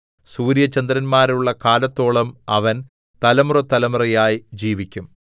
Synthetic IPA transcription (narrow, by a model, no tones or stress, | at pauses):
suːɾjɐt͡ɕːɐnd̪ɾɐnmaːɾuɭːɐkaːlɐt̪ːo̞ːɭɐmɐʋɐn | t̪ɐlɐmurɐt̪ːɐlɐmurɐjaːjid͡ʑiːʋikʲːum